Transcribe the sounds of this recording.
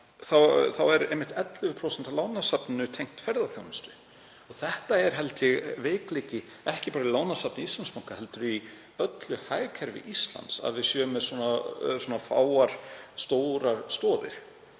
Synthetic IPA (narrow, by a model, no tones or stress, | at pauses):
θawθawɛɾejmːɪht̪ɛt̪lʏvʏpʰɾowsɛnt̪alaːwnasapnɪnʏt̪ʰejŋ̥t̪fɛɾðaθjo̰ːwnɪst̪ʏ̥ | ɔɣθɛht̪aɛɾ̥ɦɛlt̪jɛɣveːkleːcɪ | ɛhcɪpaːɾaɪlaːwnasapnɪist̪lansmawŋkahɛlt̪ʏɾʏi | œt̪lʏhaːjkʰɛɾvɪ̰ʔist̪la̰nt̪sa̰ðvɪsjœːʏmɛðsɔːnaswɔːnafa̰ːwaɾ̥st̪owɾaɾ̥st̪ɔːðɪ̰ɾ̥